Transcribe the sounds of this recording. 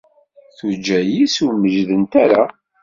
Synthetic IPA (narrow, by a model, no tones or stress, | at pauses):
θud͡ʒːæjisuməʒðənt̪æɾa